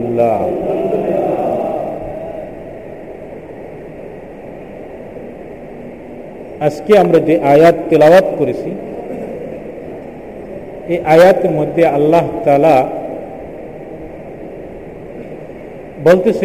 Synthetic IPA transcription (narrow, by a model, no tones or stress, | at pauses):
mla | ɐskeamɾad͡ʒeʔajat̪ːilawat̪kɔɾet͡ʃʰi | eʔajat̪mɔd̪jaɐlːaɦt̪ala | bolt̪es